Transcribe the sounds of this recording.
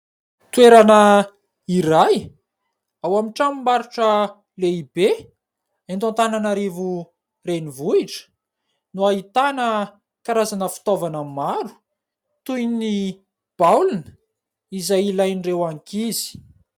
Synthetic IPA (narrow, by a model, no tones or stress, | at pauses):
t̪weɾanə | iɾaj | awamiʈ͡ʂamimaɾuʈ͡ʂə | leibe | ant̪õnt̪ananaɾevu | renivuiʈ͡ʂə̥ | nuait̪anə | kaɾazanəfi̥t̪ovanammaɾu̥ | t̪ujni | b̥awlinə̥ | izajilajnirewaŋkizi̥